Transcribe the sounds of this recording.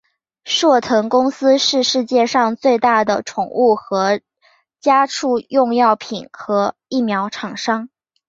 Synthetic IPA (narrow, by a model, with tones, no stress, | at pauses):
ʂwɔ˥˩t̪ʰɤ˧˥ŋkʊ˥ŋsɹ̩˥ʂɻ̩˥˧ʂɻ̩˥˧t͡ɕjɛ˥˧ʂɑ˥˧ŋt͡swe˥˧ɪt̪a˥˩d̪ə˩ʈ͡ʂʰʊ˨˩ŋu˥˩xɤ˧˥ | t͡ɕja˥ʈ͡ʂʰu˥˧jʊ˥˧ŋjɑ˥˩ʊpʰi˨˩˦nxɤ˧˥i˥˩mjɑ˧˥ʊʈ͡ʂʰɑ˨˩ŋʂɑ˥ŋ